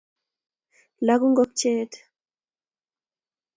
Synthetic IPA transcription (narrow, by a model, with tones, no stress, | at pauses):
la˨˦ku˦ŋɡɔ˦k̚t͡ʃeː˦t